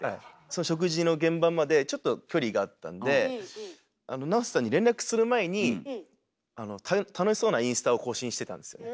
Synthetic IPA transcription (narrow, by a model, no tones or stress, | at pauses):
hai | so̞no̞ɕo̞k̬ɯ̟ʑino̞ɡẽ̞mbamːad̪e̞t͡ɕo̞t̪ːo̞kʲo̞ɾʲiɡaːt̪ːã̰nd̪e̞ | ano̞nao̞sesaɲ̟ːiɾẽ̞nɾakɯ̟̥sɨɾɯ̟maeɲ̟i | ano̞t̪ʰat̪ʰanoɕiso̞ːnaĩɰ̃sɨ̥t̪ao̞ko̞ːɕĩɕi̥t̪e̞t̪ã̰nd̪e̞sɨjo̞ne